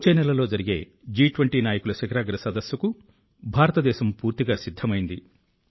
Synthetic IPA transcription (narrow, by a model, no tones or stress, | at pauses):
ut͡ʃeːnɛlɐlo̞ːd͡ʒɐɾiɡe̞̰ː | d͡ʒiːʈʋɐɳʈiːnaːjɐkulɐʃɐɡɐɾaːɡɐɾɐsɐd̪ɐsjɐku | bʱaːɾɐt̪ɐd̪ɛːʃɐmpuːɾt̪iɡaːsid̪ʱːɐmɐjind̪i